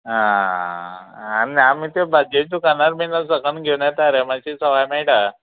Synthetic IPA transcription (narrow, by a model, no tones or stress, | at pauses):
ɦã | niamiːt̪ebad͡ʑet̪ukanaɾminasəkənɡʱewɳjat̪aɾemaɕisəʋajmaiʈa